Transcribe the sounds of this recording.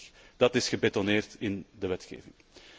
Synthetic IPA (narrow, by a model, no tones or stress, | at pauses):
d̥ɑtɪsxəbetoneːrtɪndəʋɛtxḛːvɪŋ